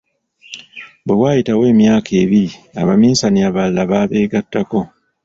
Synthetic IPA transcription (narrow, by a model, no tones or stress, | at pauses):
bwewaːjitawe̞ːmjaːkʰe̞ːβiɾia̰βamiːsaniaβalːaβaːβe̞ːɡatːako̞